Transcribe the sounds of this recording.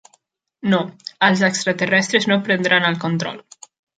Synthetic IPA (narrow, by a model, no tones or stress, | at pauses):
noəlˠzəkst̪ɾət̪ərɛst̪ɾeznopɾənd̪ɾanəlˠkont̪ɾɔ̰lˠ